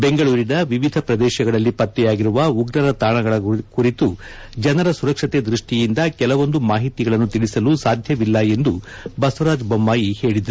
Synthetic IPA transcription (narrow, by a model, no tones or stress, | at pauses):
be̞ŋɡɐɭuːɾinɐʋiʋid̪ʱɐpɾɐd̪ɛːʃɐɡɐɭɐlːipɐt̪ːɛjaːɡiɾuʋɐuɡɾɐɾɐt̪aːɳɐɡɐɭɐkuɾit̪u | d͡ʒɐnɐɾɐsuɾɐkʂɐt̪ed̪ɾuʂʈijind̪ɐkɛlɐʋo̞nd̪umaːɦit̪iɡɐɭɐnːut̪iɭisɐlusaːd̪ʱjɐʋilːɐe̞nd̪u | bɐsɐɾaːd͡ʒbɐmːaːjihe̞ːɭid̪ɐɾu